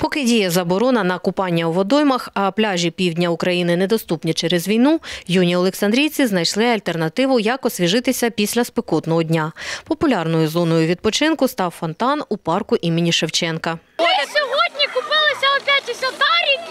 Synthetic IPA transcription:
pɔkɪdʲijɐzɐbɔɾɔnɐnɐkʊpɑnʲːɐwʋɔd̪ɔjmɐxɐplʲaʒʲipʲiwdʲnʲɐʊkɾɐjinɪnɛd̪ɔst̪upnʲit͡ʃɛɾɛzʋʲijnujunʲiɔlˠeksɐnd̪ɾʲijt͡sʲiznɐjʃlˠɪɐlʲt̪ernɐt̪ɪʋʊjɑkɔsʲʋʲiʒɪt̪ɪsʲɐpʲisʲlʲɐspekɔt̪nɔɦɔdʲnʲapɔpʊlʲɑrnɔjʊzɔnɔjʊʋʲid̪pɔt͡ʃɪnkʊst̪ɑwfɔnt̪ɑnupɑrkʊʔimɪnʲiʃewt͡ʃɛnkɐ | sʲɔɦɔd̪ʲnʲikʊpɪlˠɪsʲɐɔpʲat͡ʃʲisʲɔd̪ɑɾʲi

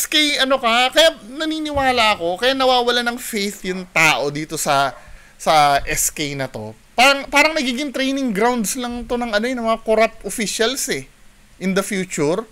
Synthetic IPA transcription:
skejɐno̞kɐkɐjanɐniːnɪwaːlɐʔɐko̞kɐjanɐwaːwɐlanɐŋfejθjʊŋt̪aːʔo̞d̪iːt̪o̞sɐ | sɐʔɛskejnɐt̪o̞̰ | paːɾɐŋpaːɾɐŋnɐɡiːɡɪŋt̪ɾejnɪŋɡɾawnd̪slɐŋt̪o̞nɐŋɐnojɪnɐmɐŋakoɾap̚t̪ʔofiʃɐlsɛ | ʔɪnd̪ɐfjuːt͡ʃʊɾ

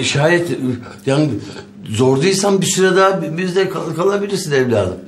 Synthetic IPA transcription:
ʃɦaːjɛt̪ | jaːni | zoɾd̪ɯjsanbisiɾad̪abizd̪ɛkʰakʰalˠabilʲiɾsinɛvlʲa̰ːzɯm

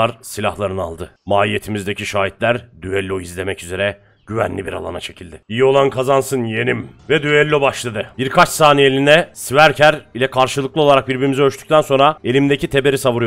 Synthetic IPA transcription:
aɾsilʲahlˠaɾɯna̰lˠd̪ɯmaːlije̞t̪ʰimizd̪e̞cʰiʃaːit̪lʲæɾd̪yɛlʲːoizlʲe̞mɛcyze̞ɾɛ | ɟ̥yvæ̰nlʲibiɾa̰lˠa̰na̰t͡ʃʰe̞cʰilʲd̪ɪijio̞lˠankʰazansɯnje̞nimvɛd̪yɛlʲːobaʃlˠad̪ɯb̥iɾkʰat͡ʃsaːnielʲinɛsivæɾcʰæɾilʲɛkʰaɾʃɯlˠɯklˠo̞lˠaɾak̚biɾbiɾimizɛøʃt̪y̥c̚ʲt̪ʰænso̞nɾae̞lʲimd̪ecʰit̪ʰe̞be̞ɾisaβuɾuj

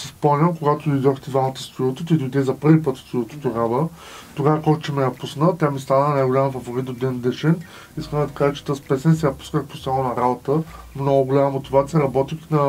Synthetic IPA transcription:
sispɔmnʲəmkoɡat̪ʊd̪ʊid̪ɔxt̪ɛd̪vamət̪ə̥st̪ɾuət̪ot̪id̪ʊid̪ɛzɐpɤɾvipɤt̪st̪ɾʲuət̪o̥t̪oɡavə | t̪oɡavəkɔt͡ʃɛmɛjɐpusnət̪ʲjamist̪anənajɡolʲamfɐvoɾit̪od̪ɛnd̪ɛʃɛn | iskəmd̪ɐt̪ɐkaʒət͡ʃɛ̥t̪əspɛsɛnsɛjɐpu̥skəxposalˠonɐɾabot̪ə | mnɔɡʊɡolʲaməmot̪ʲivat̪siəɾɐbɔt̪ixnɐ

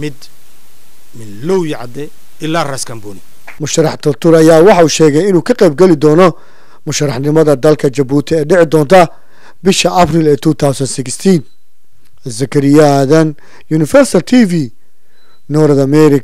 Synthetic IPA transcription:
mɪd̪ | mɪnluwjɪʕɑ̰d̪ɛ | ɪlaːrɐskʰɐmbuni | mʊʃɐrɑħt̪ʰɐlt̪ʰʊɾɐjaːwɑħɑuːʃɛːɣɛjɪnuːkʰɐqɛjb̚ɡɛlɪd̪ɔːnɔ | mʊʃɐrɑħnɪmɐðɐd̪ɐlkʰɐt͡ʃɐbuːt̪ʰɪɛːɖɪʕɪd̪ɔːnt̪ʰɐ | bɪʃɐʔɐpɾilɛːt̪ʰuːt̪ʰawsɐnsɪkst̪ʰin | sɐkʰɐɾɪjaðɐn | juːnɪfɛɾsɐlt̪ʰiːvi | nɔːɾɐðɐmɛɾɪ

